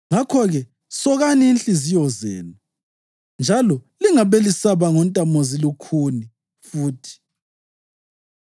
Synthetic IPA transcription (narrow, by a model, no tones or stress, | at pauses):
ŋakʰɔɣɛ | sɔɣaniːnɬʼizijɔzɛ̰ːnu | nd͡ʒʱalɔliŋaβelisaβaŋɔntʼamɔzilukʰuni | fuːtʰi̥